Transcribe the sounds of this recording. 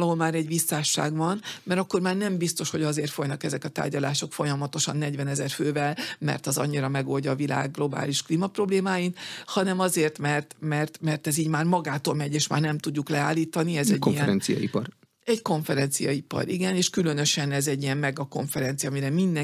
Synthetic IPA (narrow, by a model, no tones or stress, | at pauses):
lɒɦolmaːɾɛɟʋisːaːʃːa̰ːɡvɒnmɛɾɒkːo̞rmaːrnɛmbist̪o̞ʃho̞ɟɒzeːrt̪fo̞jnɒkɛzɛkɒt̪a̰ːrɟɒlaːʃo̞kfo̞jɒmɒt̪o̞ʃɒ̰nːɛɟvɛnɛzɛrføːvɛlmɛ̰rt̪ɒzɒ̰ɲːiɾɒmɛɡo̞ːlɟɒːvila̰ːɡːlo̞ba̰ːliʃkliːmɒpro̞bleːmaːjinhɒnɛmɒzeːrt̪mɛrt̪mɛrt̪mɛrt̪ɛziːɟmaːrmɒɡaːt̪olmɛɟeːʃma̰ːrnɛmt̪uɟːuklɛaːlːiːt̪ɒniɛzɛɟkijɛɛɾɛnsijɒ̰ḭpɒ̰r | ɛɟko̞ɱfɛɾɛnt̪sijɒ̰ipɒ̰ɾḭɡɛneːʃkylønø̞ʃɛnɛzɛɟːijɛmmɛɡɒko̞ɱfɛɾɛnt̪sijɒmiɾɛmind̪ɛ